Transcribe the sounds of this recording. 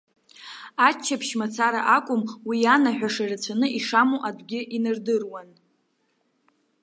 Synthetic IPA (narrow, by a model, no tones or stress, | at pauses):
at͡ʃʰːapʰʃmat͡sʰaɾa̰ʔakʷʼʊmwijanaħᶣaʂarat͡sʷʰanɨiʂamuʔadʷɡʲɪʔinɨrdɨrwan